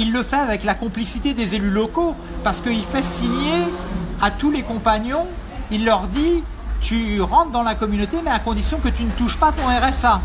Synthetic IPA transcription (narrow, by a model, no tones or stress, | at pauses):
ilːəfɛavɛklakɔ̃plisit̪ed̪ezelylɔko | paʁsə̥kəilfɛsiɲeat̪ulekɔ̃paɲjɔ̃ | ilːœʁd̪i | t̪yʁɑ̃t̪d̪ɑ̃lakɔmynot̪emɛakɔ̃d̪isjɔ̃kət̪ynət̪uʃpat̪ɔ̃ɛʁɛsa